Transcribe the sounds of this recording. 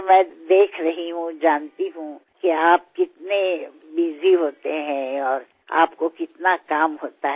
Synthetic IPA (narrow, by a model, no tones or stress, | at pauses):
mɛ̃ːd̪eːkʰɾɐɦiɦũd͡ʒaːnt̪iɦũkiaːp̚kɪt̪ne | biːziɦoːt̪eɦɛ̃ɔːɾ | a̰ːpkokɪt̪nakaːmɦoːt̪aɦɛ